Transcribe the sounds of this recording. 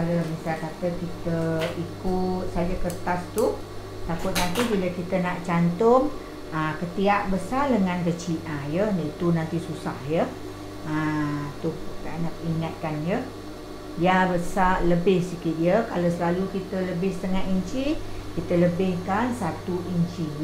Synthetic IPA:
kalomisalkat̪əkit̪əikʊt̪̚sad͡ʒakərt̪ast̪u | t̪akʊt̪̚nant̪ibiləkit̪ənaʔt͡ʃant̪ʊm | əkət̪iaʔ̚bəsardəŋãnkət͡ʃiʔãjənait̪unant̪isusahjə | at̪uanaʔiŋat̪̚kanjə | jabəsaləbɪhsikɪt̪̚jəkalasəlalukit̪ələbɪhst̪əŋaʔ̪iɲt͡ʃikit̪ələbɪhkansat̪uʔiɲt͡ʃi

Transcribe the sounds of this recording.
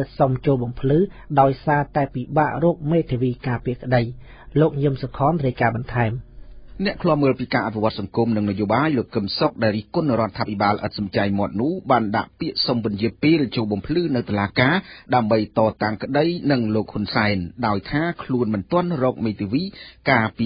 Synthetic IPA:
somt͡ɕoːlɓɑmpʰlɨːɗaɔjsaːt̪aɛpiɓaːʔrɔək̚meːt̪ʰeʋiːkaːpiəkə̆ɗəj | loːk̚ɲɨəmsokʰɑːnriəjkaːɓɑnt̪ʰaɛmnɛ̆əʔkʰlɔ̆əməːlpiːkaːʔat̪̚ʰiʋŏət̪̚sɑŋkumnɨŋnajoːɓaːjloːkːɨmsok̚ɗaɛlriːhkʊnrŏət̪ʰːaːpʰiɓaːlʔə̰t̪̚sɑmt͡ɕajmŏət̪̚nʊ̆əhɓaːnɗa̰ʔpiəʔsompɨənjiəpeːlt͡ɕoːlɓɑmpʰlɨːnɨwt̪olaːkaːɗaəmɓəjt̪ɑːt̪aŋkə̆ɗəjnɨŋloːk̚hunsaɛnɗaɔjt̪ʰaːkʰluənmɨnt̪ŏənrɔːk̚meːt̪ʰiʋiːkaːpi

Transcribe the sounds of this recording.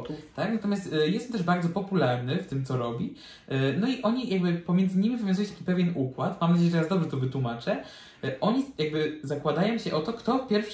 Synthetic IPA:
ut̪aknat̪ɔmjast̪jɛst̪ɛmt̪ɛʐbaɾd̪zɔpɔpulaɾnɘft̪ɘmt̪sɔɾɔbʲi | nɔiʔɔɲijaɡbɘpɔmʲjɛnd̪zɘɲimʲivɨvʲj̃zujĩt̪akʲi̥pɛvʲjɛnukwat̪mamnad͡ʑejɛʐɛjaɛzd̪ɔbʐɛt̪ɔvɘt̪wumat͡ʂɛ | ʔɔɲijaɡbɘzakwad̪ajɔ̃w̃ɕɛʔɔt̪ɔkt̪ɔpʲjɛɾfʂ

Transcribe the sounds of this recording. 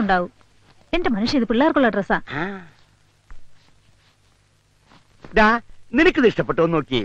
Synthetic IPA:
uɳɖaːʋu | e̞nde̞mɐnuʂɐiðɨpiɭːaːrkːuɭːɐɖresaːa | d̪aːninɨkʲːɨniʂʈɐpːeʈːoːnoːkːi

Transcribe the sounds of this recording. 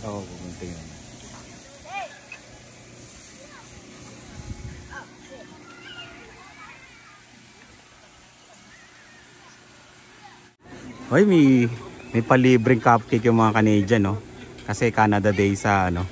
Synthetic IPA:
ʔoʔɡumʊnt̪ɪjon | ʔojmɐjmɐjpɐliːbɾɪŋkap̚kɪkjʊŋmɐŋakɐnɛːd͡ʒɐno̞kɐsɛkaːnɐd̪ɐd̪ɛjsɐʔɐno̞

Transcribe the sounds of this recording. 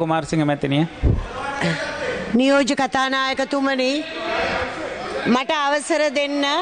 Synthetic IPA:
umaːɾsiŋɡəmɛt̪ːinia | nijoːd͡ʒəkat̪aːnaːjəkət̪uməni | maʈəaʋəsɐɾəd̪enːɐ

